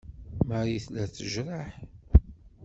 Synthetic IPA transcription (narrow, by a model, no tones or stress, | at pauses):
məɾiθlæθəʒɾˤaħ